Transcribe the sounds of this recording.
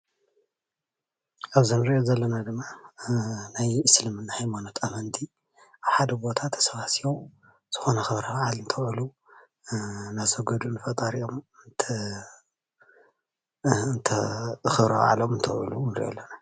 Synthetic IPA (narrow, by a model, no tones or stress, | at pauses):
ʔaβzɨnɨɾiʔozɐlːɐnad̪ɨmːa | najɨslɨmɨnːahajmanot̪ʰamɐnt̪ʰi | ʔaβħad̪ɐbo̞t̪ʰat̪ʰɐ̥sɐβasio | z̥ɨ̥xo̞nɐxɨβɾɐbʕalɨnt̪ʰɐwʕulu | nasɐɡɐd̪unɨfɐt̪ʼɐɾiʔomnt̪ʰ | ɨnt̪ʰɐxɨβɾɐ̰βa̰ʕalomɨnt̪ʰɐwʕṵlunɨɾḭʔo̰lːɐna